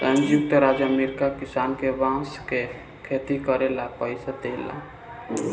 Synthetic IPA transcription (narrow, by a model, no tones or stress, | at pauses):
sə̃nd͡ʒjuk̚t̪əɾad͡ʒamiɾkakisankebãske | kʰet̪ikəɾelapəjsəd̪ela̰